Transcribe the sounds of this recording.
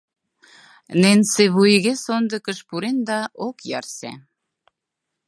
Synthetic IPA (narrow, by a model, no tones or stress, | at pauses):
nenseβujɣesond̪əkəʃpuɾend̪ɑʔokjɑrsḛ